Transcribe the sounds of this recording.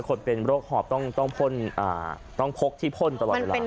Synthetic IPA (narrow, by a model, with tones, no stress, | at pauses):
kʰo˧npe˧nɾoː˥˩k̚hɔː˨˩p̚t̪ɔ˥˩ŋt̪ɔ˥˩ŋpʰo˥˩˨nʔa̰ː˨˩ | t̪ɔ˥˩ŋpʰo˦˥k̚t̪ʰiː˥˩pʰo˥˩nt̪a˧l̚ːe˧˩a˧